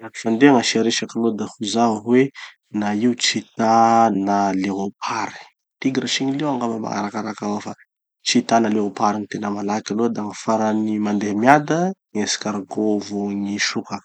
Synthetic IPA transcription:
aki̥fand̪eaŋaʃaɾeʃakalod̪ahuzaɦɦwe | naiut͡ʃit̪analeɦopʰaɾi̥ | t̪iɡiɾaʃiɲilewaŋɡaməma̰ŋa̰ɾakaɾakawafa | t͡ʃit̪analeɦopaɾinit̪enəmalakʲalod̪aŋafaɾanimand̪eɦamiad̪ə | esi̥kaɾaɡovuŋiʃuka

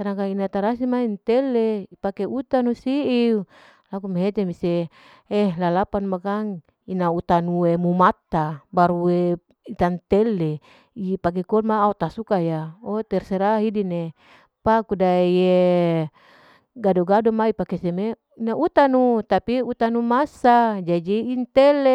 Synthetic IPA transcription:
sanakainat̪aɾasimaint̪eleipakeut̪anusiʔi | lakumeɦet̪emise | elalapanmakaŋ | inaut̪anuwemumat̪ːabaɾue | it̪ant̪ele | ipak̬ekolmaːut̪asukajaot̪ɛrseɾaɦidine | pakudaje | ɡadoɡadomaipakeseme | inaʔut̪anut̪apiut̪anumasad͡ʒad͡ʒiːnt̪ele

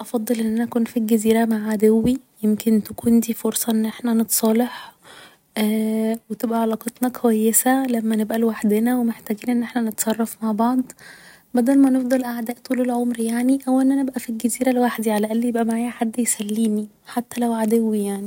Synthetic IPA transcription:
ʔɑfɑd̪ˤːelʔenːʔænækuːnfilɡæziːɾæmaʕad̪ewːijemkent̪ækuːnd̪iːfoɾsˤɑʔenːʔeħnænet̪sˤɑːleħ | ʔwet̪ebʔæʕɑlɑːqɑt̪ˤnɑkʰowæjːesælæmːænebʔælwaħd̪enæwemeħt̪æɡiːnʔenːʔeħnænet̪sˤɑrˤːɑfmaʕbɑʕd̪ˤ | bæd̪ælmænefd̪ˤɑlʔaʕd̪æːʔt̪uːlelʕomɾjaʕniʔæwːæʔenːʔænebʔæfilɡæziːɾælwaħd̪iʕalæʔælːijebʔæmaʕaːjæħad̪ːjesælːiːmi | ħat̪ːælæwʕad̪æwːijaʕni

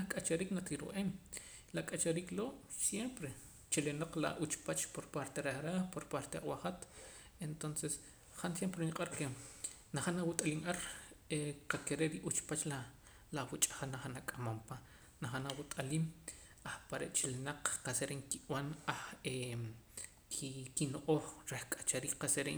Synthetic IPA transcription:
akʼat͡ʃaɾiːknakiɾṵʔem | lakʼat͡ʃaɾiːkloːʔsjempɾe | t͡ʃelenoq͡χla̰ʔut͡ʃpat͡ʃpoɾpaɾt̪eɾeahɾaːhpoɾpaɾt̪ea̰χwaχat̪ | ent̪onses | χansjempɾeniqʼaɾkenaχanawut̪ʼaliːŋʔaɾeqakeɾeʔɾiʔut͡ʃpat͡ʃla | lawut͡ʃʼḁχanaχanakʼamampa | naχanawut̪ʼaliːm | aχpaɾḛʔt͡ʃelenaq͡χqaseɾeŋkiwanaχe | kʰikinoʔoːχɾehkʼḁt͡ʃaɾiːkqaseɾe

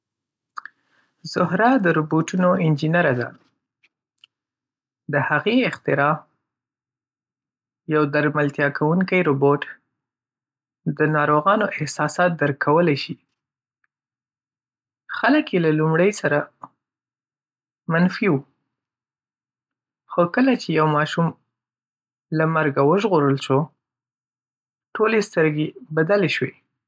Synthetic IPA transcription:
z̥ʊhɾɑd̪əɾoboʈunoɪnd͡ʒinaɾad̪a̰ | d̪əhaɣeɪxt̪ɪɾɑ | jawd̪aɾmalt̪jɑkʰawuŋkəjɾoboʈ | d̪ənɑɾoɣɑnoʔɪhsɑsɑt̪̚d̪əɾkʰawəlajʃi | xaləkjelalumɽəjsaɾa | manfiwu | xokəlat͡ʃejawmɑʃum | lamaɾɡawəʒɣoɾəlʃo | ʈolest̪əɾɡebad̪aleʃwe

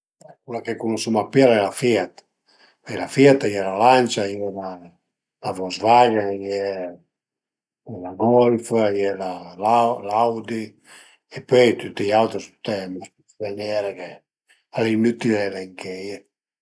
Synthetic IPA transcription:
ɛkulakekunusumapːialaɛlafɛt̪ḁ | pɛjlafɛt̪ajɛlalant͡ʃajɛla | lavɔzvaɡajɛ | ɛlaɡɔlfjɛlalalawd̪i | epøjt̪ut̪ːiawt̪ɾist̪u̥t̪ɛmasuvenɛɾake | alinut̪ilɛlɛŋkɛje

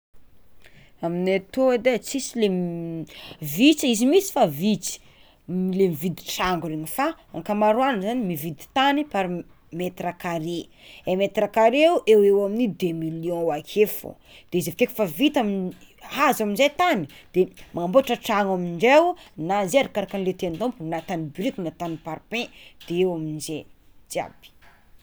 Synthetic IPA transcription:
aminat̪oed̪et͡sisilem | vit͡siizimisi̥favit͡si̥ | lemivid̪i̥ʈ͡ʂaŋɡuɾeɲifa | aŋkamaɾwanəzanimivid̪i̥t̪anipaɾi | met̪ɾakaɾe | emet̪ɾakaɾeuʔewewaminid̪emiljɔ̃wakʰefo̰ | d̪̥ezevikekʲfavit̪aminihazaminzejt̪ani̥d̪̥emʔaamboaʈ͡ʂəʈ͡ʂaŋaminɳɖ͡ʐewunazeaɾikaɾakanlet̪eand̪õmpunat̪anibɾik̪inat̪anipaɾpɛ̃d̪̥eewaminzed͡ʒia̰b̥i̥

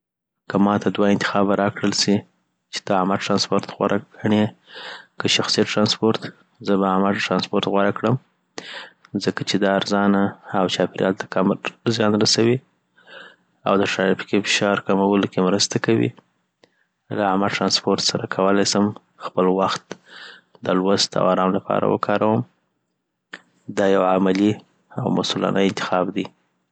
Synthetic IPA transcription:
kəmɑt̪ʰad̪waɪnt̪ɪ̥xɑbaɾɑkɽəlsi | t͡ʃe̥d̪̥əamaʈɾɑnspoɾt̪ɣwa̰ɾʔaɡaɳe | kəʃaxsijaʈɾɑnspoɾt̪ | zəbaamaʈɾɑnspoɾt̪ɣwaɾakɽəm | zəkat͡ʃed̪ɑːɾzɑnaːwt͡ʃɑpɪɾjɑlt̪ḁkamzjɑnɾasawi | a̰wd̪əʈɾaɾifi̥kifɪ̥ʃɑɾkamawəlkemɾəst̪akawḭ | laamaʈɾɑnspoɾt̪saɾakʰawəlajsəm | xpəlwaxt̪ | d̪əlwast̪a̰waɾɑmlapʰɑ̰ɾa̰wə̰kʰɑɾawəm | d̪ɑjawʕamali | awmasʊlɑ̰nʔaɪnt̪ɪ̥xɑbd̪i

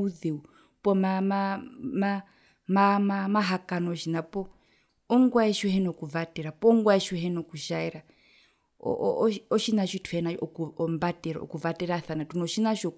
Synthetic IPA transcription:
uðeu | pʼɔmamama | mamamaɦakanɔʃinapɔ | ɔŋɡwaɛʃɔhɛnɔkuvatɛɾapɔŋɡwaɛʃɔɦɛnɔkuʃaɛɾa | ɔ̰ɔʃinaʃitʰwɛnaɔkɔmbatɛɾa̰ɔ̰kuvatɛɾaθanatunɔʃinaʃɔ

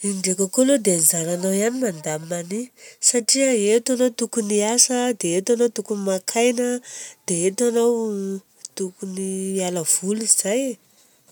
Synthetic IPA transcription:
iɳɖ͡ʐekəkolod̪eanzananawianinand̪amanisaʈ͡ʂiəet̪anowt̪ukuniasəd̪eet̪anowt̪ukunimakʰajnəd̪̥eet̪anaw | t̪ukunialəv̥uliz̥aje

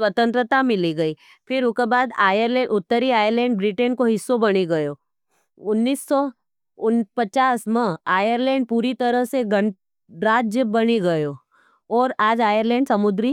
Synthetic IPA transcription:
sʋət̪ə̃nt̪ɾət̪amɪliɡɐi | pʰɪɾʊkebaːd̪aːjəɾlɛ̃ːʊt̪ːəɾiaːjəɾlɛ̃ːɳɖbɾɪʈə̃nkoɦɪsːobɐɽ̃eɡɐjoː | ʊnːiːsːɔ | ʊnpɐt͡ʃaːsmẽaːjəɾlɛ̃ːɳɖ̚puːɾit̪ɐɾəɦseɡɐ | ɾaːd͡ʒjəbɐneɡɐjo | ɔːɾaːd͡ʒaːjəɾlɛ̃ːɳɖsɐmʊd̪ɾi

